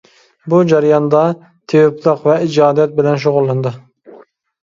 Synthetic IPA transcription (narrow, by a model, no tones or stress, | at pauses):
bud͡ʒɑɾjɑnd̪ɑ | t̪ʰewɪplˠəqvɛid͡ʒɑːd̪jɛt̪̚bɪlɛnʃ̬oʁʊlˠːɨnd̪ɨ